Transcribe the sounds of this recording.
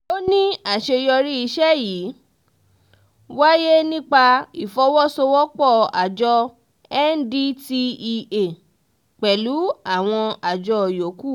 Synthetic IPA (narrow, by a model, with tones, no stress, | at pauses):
o˦nĩ˦a˦˨ʃe˧jɔ˧ɾi˦i˧ʃɛ˦jiː˨˦ | wa˦je˦nĩ˦k͡pa˧i˨fɔ˨˦wɔ˦so˧wɔ˦k͡pɔ˦˨a̰˨d͡ʒɔ˧ | ɛ˦n̩˦di˦ti˧i˧e˨ | k͡pɛ˨lu˨˦a˦˨w̃ɔ̃˧a˨d͡ʒɔ˧˨jo˨˦ku˦˨